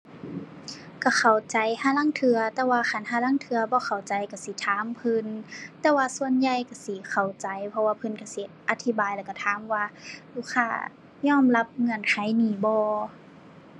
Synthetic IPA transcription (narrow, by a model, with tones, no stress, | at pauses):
ka˧˩xʰa˨˩wt͡ɕa˨˦jhaː˧˥˨la˧˥˨ŋt̪ʰɯ˧ɐt̪ɛː˧waː˧xa˧˩˨nɦaː˧˥˨la˧˥˨ŋt̪ʰɯ˧ɐbɔː˧˦xʰa˨˩wt͡ɕa˨˦jka˧˩si˧˦t̪ʰaː˨˦mpʰɯ˧nt̪ɛː˧waː˧su˧ə˨nja˧jka˧˩si˧˦kʰa˨˩wt͡ɕa˨˦jpʰɔ˧waː˧pʰɤ˧˨nka˧˩si˧˦ʔa˧t̪ʰi˧˦baː˨jlɛː˧˩ka˧˩t̪ʰaː˨˧˦mwaː˧luː˧˩kʰaː˧˩ | ɲɔː˧˥˨mla˧p̚ŋɤ˧˨nkʰa˧˩˦jniː˨˧˩bɔː˧